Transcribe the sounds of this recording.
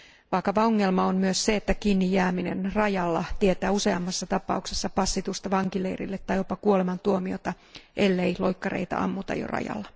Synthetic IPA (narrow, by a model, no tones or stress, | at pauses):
ʋɑːkɑʋɑoŋːe̞lmɑonmyøsse̞et̪ːækiːnːijjæːmine̞̰nrɑjɑlːɑt̪ie̞t̪æːuse̞ɑmːɑsːɑt̪ɑpɑuksesːɑpɑsːit̪ust̪ɑʋɑŋkilḛirḭlːet̪ːɑjjo̞pɑkuole̞mɑnt̪uomio̞̰t̪ɑ | ʔelːeilo̞jkːɑrḛit̪æ̰ɑ̰mːut̪ɑ̰jo̰rɑ̰jɑ̰lːɑ